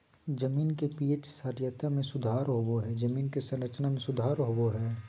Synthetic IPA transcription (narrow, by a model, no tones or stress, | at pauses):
d͡ʒəmiːnkepiːet͡ʃsaɾjət̪amẽsʊd̪ʱaːɾɦoboɦɛd͡ʒɐmiːnkesɐ̃nɾət͡ʃnamẽsʊd̪ʱaːɾɦoboɦɛː